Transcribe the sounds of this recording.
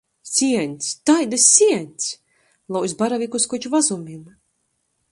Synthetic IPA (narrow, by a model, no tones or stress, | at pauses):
sʲiɛnʲt̪sʲt̪ajd̪asʲːiɛnʲt̪sʲ | lˠawsbaɾavʲikuskɔt͡ʃuvazumʲim